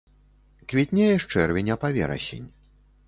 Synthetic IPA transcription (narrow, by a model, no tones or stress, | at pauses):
kvʲit̪ʲnʲɛjɛʂt͡ʂɛrvʲɛnʲɐpavʲɛ̰ɾɐ̰sʲḛnʲ